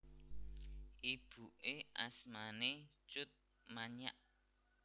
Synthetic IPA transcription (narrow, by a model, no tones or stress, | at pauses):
ʔib̥uʔeʔasmanet͡ʃʊt̪̚ | maɲa̰ʔ